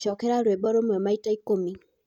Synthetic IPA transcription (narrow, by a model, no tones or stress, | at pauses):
t͡ʃɔkɛɾaɾwebɔɾomɔmaitaikomi